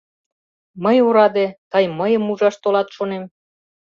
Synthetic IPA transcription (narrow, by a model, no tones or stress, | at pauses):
məjoɾɑd̪et̪ɑjməjəmuʒɑʃt̪olɑt̪ʃonem